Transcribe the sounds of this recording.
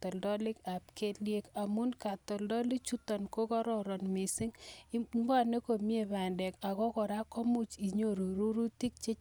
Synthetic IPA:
tɔ˨ldɔ˦li˦ka˨p̚ke˦tlje˦ka˨mu˦nka˨tɔ˨ldɔ˦li˦t͡ʃu˦tɔ˨nko˦kɔ˦ɾɔ˨ɾɔ˨nmi˨si˦ŋmba˦ne˦ko˨mje˨pa˨ndɛ˨ka˨kɔ˦kɔ˨ɾa˦kɔ˦mu˦t͡ʃi˨ɲo˦ɾu˨ɾu˦ɾu˦ti˦k̚t͡ʃe˦t͡ʃ

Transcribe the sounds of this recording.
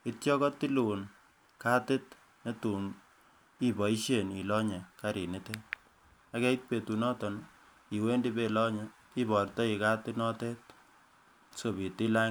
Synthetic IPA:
ɪ˦tjɔ˦kɔ˦ti˦lu˨n | ka˦tɪ˦t̚ | ne˦tu˨n | i˦bɔ˨i˦ʃje˨ni˨lɔ˦ɲɛ˨ka˦ɾi˨nɪ˦tɛ˦t̚ | a˦kɛ˦i˦t̚pe˨tu˨nɔ˦tɔ˨n | i˨we˦ndi˦pe˦lɔ˦ɲɛ˨ki˦bɔ˨rtɔ˦i˨ka˦tɪ˦nɔ˦tɛ˦t̚ | so˨bi˨tɪ˦la˦

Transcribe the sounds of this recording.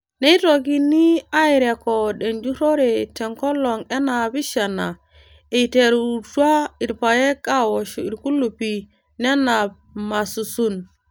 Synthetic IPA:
ne˦i˦to˨ɡi˦nːi˦a˦i˨ɾe˨ko˨ɗe˨nd͡ʒu˦ɾo˦ɾe˨te˨ŋko˦lːo˨ŋe˦na˨bi˦ʃa˨na˨ | e˨te˨ɾu˨twa˦i˨ɾpa˨je˦ka˦wo˨ʃu˨i˨ɾku˦lu˨pi˨ | ne˦na˨b̚ | ma˨su˨su˦n

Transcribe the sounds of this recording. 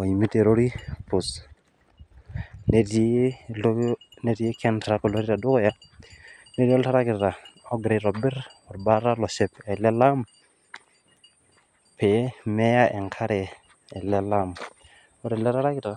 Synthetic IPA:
ɔ˨i˨mi˦te˨ɾo˦ɾi˦pʊ˨s | ne˨te˦lne˦ɾi˦e˦kʰɛ˦ntɾa˨ko˨lo˦ɾi˦ɾa˨dʊ˦kɔ˦ja˦ | ne˦ɾi˦ɔ˦la˦ɾa˦kɪ˨tta˨ɔ˦ɡɾe˨ɾɔ˨bɪ˦ɾɔ˨ɾba˦ɾa˦lɔ˨sɛ˨pɛ˨lɛ˦la˦m | pʰɛ˨˦mɛ˦ja˦ʔɛ˨ŋkʰa˦ɾɛː˨ | lɛ˦la˦m | ɔ˦ɾɛ˨lɛ˦ɾa˦ɾa˦kɪ˦ta˨

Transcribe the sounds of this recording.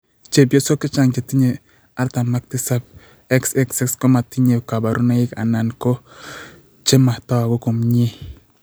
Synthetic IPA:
t͡ʃe˨bjo˦so˦kɪ˦t͡ʃa˦˨ŋt͡ʃa˨ti˦ɲe˨ | a˦ɾta˨ma˦k̚tɪ˦sa˦b̚ | ɛ˦ksɛ˦ksɛ˦kskɔ˦ma˨ti˦ɲe˨ka˨ba˨ɾu˦na˦ɪ˦ka̰˨na˨nkɔ˦ | t͡ʃe˦ma˨ta˦wa˨ko˦ko˨mɲe˦

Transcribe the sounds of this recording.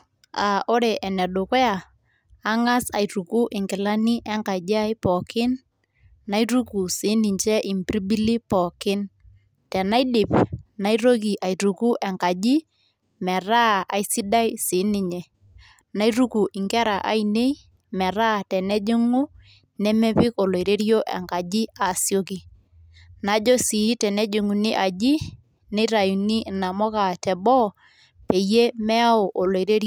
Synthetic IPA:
a˨o˦ɾe˨ʔɛ˨nɛ˨ɗʊ˨kɛ˦aː˨˦ | ŋa˦sa˨i˨ɾu˨ku˦ʔɪ˨ŋkɪ˨la˦ni˦ʔɛ˦ŋka˨d͡ʒa˦jpɔ˨kɪ˦n | na˦iɾu˦ku˨sɪ˨˦nɪ˨ɲt͡ʃɛ˦ʔi˨mpɾi˦bi˦li˦pɔ˨kɪ˦n | tɛ˨na˦dɪ˨pna˦i˦ɾo˦k̬i˨ʔa˨i˨ɾu˨ku˦ʔɛ˨ŋka˨d͡ʒi˦ | mɛ˨ra˦a̰˨jsi˦da˦jsɪ˨˦nɪ˨ɲɛ˨ | na˦i˦ɾu˦ku˨ʔɪ˨ŋkɛ˦ɾa˨ʔa̰˦i˨ne˦i˦ | mɛ˨ɾa˦tɛ˨nɛ˦d͡ʒɪ˦ŋu˦ | nɛ˦mɛ˦pɪ˦ko˨lo˨i˨ɾe˦ɾijo˦ʔɛ̰˨ŋka˨d͡ʒi˦a˨sjo˦ki˦ | na˨˦d͡ʒɔ˦si˨˦tɛ˨nɛ˦d͡ʒʊ˨ŋu˨ni˦ʔa˨d͡ʒi˦ | ne˦i˦ɾa˨ju˨ni˦˨na˨mɔ˦ka˨tɛ˨bɔ˦ | pe˨je˦mɛ˦a˦o˨ʔo˨lo˨i˨ɾe˦ɾ

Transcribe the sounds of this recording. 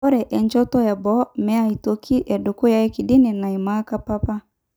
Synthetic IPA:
ɔ˦ɾɛ˨ʔɛ˨ɲd͡ʒɔ˦tɔ˦ɛ˨bɔ˦mɛ˦a˦i˨to˦ki˦ʔɛ˨du˨ku˦ja˦ɛ˦ki˨di˦ni˨na˨i˨ma˦ka˦pa˦pa˦

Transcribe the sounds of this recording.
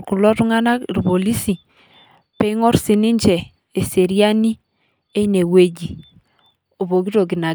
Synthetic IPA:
ku˨lɔ˦tu˦ŋa˦na˦kɾpo˨li˦si˨ | pɛ˦ŋɔ˦ɾsɪ˨ni˦ɲd͡ʒɛ˨ | e˨se˨ɾi˦a˦ni˦ | e˦ne˨we˦˨d͡ʒi˨ | o˨βo˨ɡi˦ɾo˨ɡ̬i˨na˨

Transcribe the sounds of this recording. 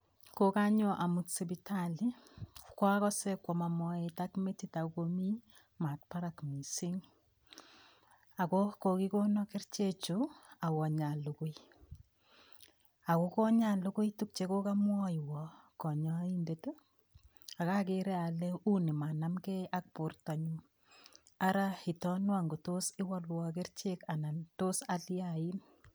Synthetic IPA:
ko˦ka˦ɲo˦ʔa˨mu˨tse˨bi˦tʰali˦kwɔ˦a˦kɔ˦sɛ˦kwɔ˨ma˨mɔ˦eta˦kme˦ti˦ta˨ukomi˦ | ma˨t̚pa˦ɾa˨kmi˨si˦ŋ | a˨kɔko˨ki˦ko˦nɔ˦kɪ˦rt͡ʃe˦t͡ʃua˨wɔ˨ɲa˨lu˨kʊ˦j | a˨ko˦kɔ˦ɲa˦˨lu˦kʊ˦jtu˦k̚t͡ʃeko˦ka˦mwɔ˦jwɔ˨kɔ˨ɲɔ˦i˦nde˨tu˦ | a˨ka˦keɾɛ˦a˨le˦u˦ni˨ma˨na˦mkɛ˦ʔa˦k̚po˨rta˨ɲu˦ | a˦ɾa˦ɪ˨tɔ˦nwa˨ŋɡo˨to˦sɪ˦wa˦lwɔk̬ɪ˦rt͡ʃe˦ka˨na˨nto˦sa˦ljai˦n

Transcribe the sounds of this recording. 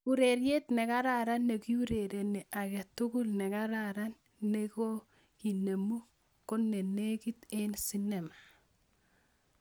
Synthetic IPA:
u˨ɾe˨ɾje˦t̪nɛ˨ka˦ɾa˨ɾa˦nːe˨ki˦u˦ɾe˨ɾe˨ne˨ʔa˨kɛ˨tu˦ɡu˦lnɛ˨ka˦ɾaɾa˦nː | e˦ko˦ | ki˨ne˨mu˦ | ko˦nːe˨ne˦ki˦t̪e˦nsi˦nɛ˨ma˨

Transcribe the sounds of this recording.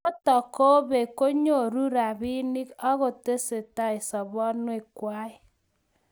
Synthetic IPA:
o˦tɔ˨ko˦βe˨ko˦ɲo˦˨ɾu˦ɾa˨βi˦ni˦kɔ˦ɣo˨te˦se˨ta˦e˨sɔ˨βɔ˦nwe˨kwa˦ɪ˦

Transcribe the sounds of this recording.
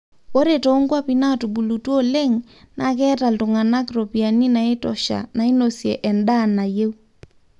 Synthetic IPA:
o˦ɾeto˨˦ŋɡwa˦pi˦na˦tu˨ɓu˨lutwɔ˦le˦ŋ | nak̬ɛː˦ta˨ltʊ˨ŋa˨na˦kɾo˨pi˨a˨ni˦na˨e˦tɔʃa̰˨na˨i˦no˨sjɛ˨ʔɛ˨nda˦˨na˨je˦u˦

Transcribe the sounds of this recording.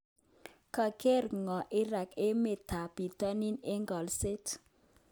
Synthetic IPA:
ka˨ke˦˨ɾŋɔ˨ʔi˦ɾa˨ke˦me˨ta˨pi˨tɔ˦ni˦ne˦ŋɡɔ˨lse˦t

